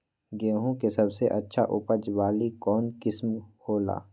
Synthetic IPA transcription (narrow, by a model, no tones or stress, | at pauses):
ɡeːɦũkesɐbseʔɐtːʃʰaʔʊpəd͡ʒʋaːlikɔːnkɪsmhoːla̰ː